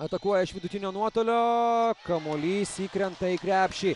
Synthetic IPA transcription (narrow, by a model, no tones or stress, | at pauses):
ɐt̪ɐkuɔjɛɪʃʋʲɪd̪ʊt̪ʲinʲoːnuɔt̪oːlʲoːkɐmolʲiːsʲiːkɾʲɛnt̪ɐikɾʲæːpʲʃʲi